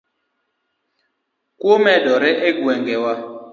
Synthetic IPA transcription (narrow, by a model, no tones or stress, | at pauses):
komɛdɔɾɛʔeɡwɛŋɡɛwa